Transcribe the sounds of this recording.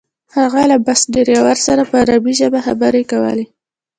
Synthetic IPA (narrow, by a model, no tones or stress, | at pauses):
haɣalabasd̪eɾjawaɾsaɾapəɾabiʒəbaxa̰baɾekawə̰le